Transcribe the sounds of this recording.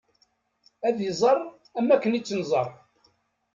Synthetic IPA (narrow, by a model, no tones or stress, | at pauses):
æðizˤərˤ | æmːækːənit͡sːənzˤɑrˤ